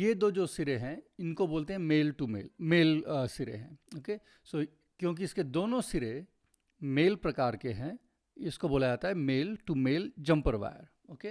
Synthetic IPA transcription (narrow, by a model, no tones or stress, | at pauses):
jed̪oːd͡ʒoːsɪɾeɦɛ̃ɪnkoboːlt̪eɦɛ̃meːlʈumḛːlmeːlsɪɾḛɦɛ̃oːke | so | kjõːk̬iɪsked̪oːnõsɪɾe | meːlpɾɐkaːɾkeɦɛ̃ | ɪskoboːlad͡ʒaːt̪aɦɛmeːlʈumeːld͡ʒɐ̃mpəɾʋa̰ːjə̰ɾ | oːke